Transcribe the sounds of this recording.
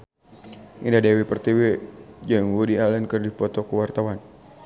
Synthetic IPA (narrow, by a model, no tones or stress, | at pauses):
ʔḭndadɛwipərt̪iwɛd͡ʒaŋwudialɛnkɨrdipɔt̪ɔkuwart̪awan